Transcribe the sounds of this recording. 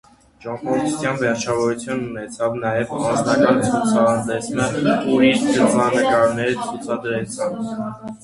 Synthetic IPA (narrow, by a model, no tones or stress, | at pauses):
d͡ʒɑmpɔɾt̪ʰsjɑnvɛɾt͡ʃʰɑvɔɾut͡sʰjununɛt͡sʰɑvnɑjɛvɑnznɑkɑnt͡sʰut͡sʰɑnd̪ɛsnəuɾist̪ət͡sɑnəkɑɾnɛɾət͡sʰut͡sʰɑd̪ɾɛt͡sʰɑn